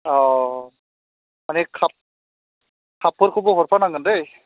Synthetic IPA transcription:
ɔ | manɛkʰap̚ | kʰapʰːɔɾkʰubɔɦɔɾpʰanaŋɡɯndɯj

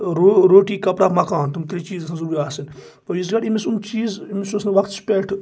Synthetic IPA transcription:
ɾoɾoːʈiːkɐpɾaːpmɐkaːnt̪umt̪ʰiɾit͡ʃiːzɐsãnzɐɾuːɾiaːsin | pɐjis̬ɡɐɽimisumt͡ʃiːzimisusnɐʋɐkt̪spʲeːʈʰ

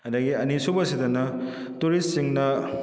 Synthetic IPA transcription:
ɐd̪ɐɡiɐnisubɐsidɐnɐ | tuɾissiŋnɐ

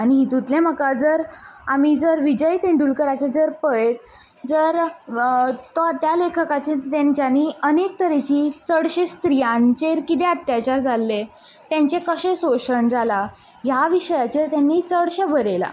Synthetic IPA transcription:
añiɦit̪ut̪lẽm̤əkad͡zəɾamiːd͡zəɾʋid͡ʑəjt̪ẽɳɖuːlkəɾat͡ɕed͡zəɾpəet̪̚ | d͡zəɾ | t̪ot̪jalekʰəkat͡ɕet̪end͡ʑanːiənek̚t̪əɾet͡ɕiːt͡səɽɕest̪ɾijãnt͡ɕeɾkit̪eət̪jat͡ɕaɾd͡zalːe | t̪jãɲt͡ɕekəɕẽsoɕəɳd͡zala | jaʋiɕəjat͡ɕeɾt̪janːiːt͡səɽɕəbʱəɾela̰

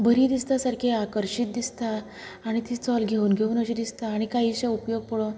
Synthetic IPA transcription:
bəɾiːd̪ist̪asaɾkʰeakəɾɕit̪̚d̪ist̪aː | ɽ̃it̪iːt͡sɔlɡʱeuːnɡʱeuːnəɕid̪ist̪aːɽ̃ikaɦiɕaupjoɡ̚pəɭo

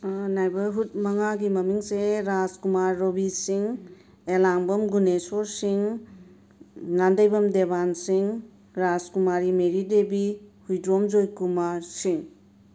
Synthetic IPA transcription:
najbɐɦut̚mɐŋaɡimɐmiŋseɾazkumaɾːobisiŋ | elaŋbɐmɡunesɔɾsiŋ | nandəjbɐmdebansiŋ | ɾazkumaɾimeɾidebihujdɾomd͡ʒojkumaɾsiŋ

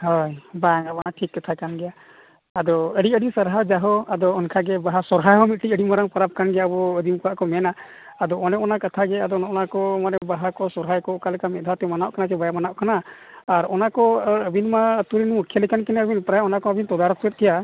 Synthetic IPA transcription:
hɔjbaŋabanaʈʰikːat̪ʰakanɡɛjaː | d̪ɔəɽiəɽisəɾɦad͡ʒaɦɔad̪ɔɔnkʰaɡɛbaɦasɔɾɦajɦɔmit̪̚ʈiəɽimaɾaŋpaɾap̚kanɡɛjaəbɔəd̪imkɔaʔkɔmɛnaː | d̪ɔɔnɛʔɔnakat̪ʰaɡɛad̪ɔnɔʔɔnakɔmaɾɛbaɦakɔsɔɾɦajkɔɔkalɛkamɛt̪̚ˀd̪ʱat̪ɛmanaʔkanatɛbajamanaʔkanaː | ɾɔnakɔəbinmat̪uɾinmukʰːɛlikankɛnɛəbinpɾajaɔnakɔəbint̪ɔd̪aɾɔk̚t̪uɛt̪̚t̪ʰija

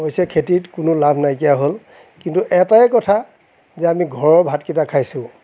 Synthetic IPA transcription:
ɦojsɛkʰetitkʊnʊlabʱnajkijaɦol | kintuʔɛtaɛkɔtʰa | zɛamiɡʱɔɹɔɹbʱatkitakʰajsʊ̃

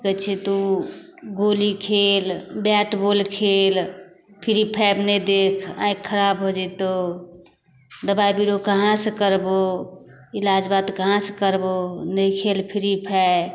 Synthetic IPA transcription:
kət͡ʃʰɛt̪u | ɡolikʰelbaʈbolkʰel | pʰiɾipʰɛbnəd̪ekʰã̰ĩkʰːəɾabɦod͡ʒɛt̪o | d̪əbaibiɾokəɦãsəkəɾbo | ilad͡ʒbat̪kəɦãskəɾbonəikʰelpʰiɾipʰɛ

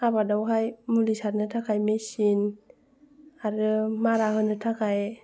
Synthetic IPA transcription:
ʔabadɔwɦajmulisat̚nɯt̪ʰakʰajmesin | aɾɯmaɾahɯnɯt̪ʰakʰaj

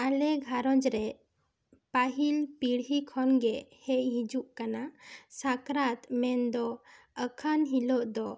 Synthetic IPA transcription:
alɛɡʱaɾɔ̃d͡ʒɾɛ | paɦilpiɽɦikʰɔnɡɛhɛʔɦid͡ʒuʔkanasakɾat̪mɛnd̪ɔ | əkʰənɦilɔʔd̪ɔ

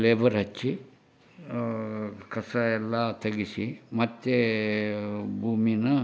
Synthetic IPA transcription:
leːʋɐɾɦɐt͡ʃːi | kɐsɐɛlːɐt̪ʰɐɡisimɐt̪ːe | bʱuːminɐ

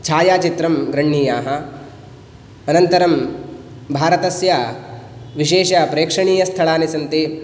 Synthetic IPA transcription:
t͡ʃʰaːjaːt͡ʃit̪ɾɐmɡɾɐɳːiːjaːɦɐ̆ | ɐnɐnt̪ɐɾɐm | bʱaːɾɐt̪ɐsja | ʋiʃeːʃaːpɾeːkʂɐɳiːjɐst̪ʰɐɭaːnisɐnt̪i

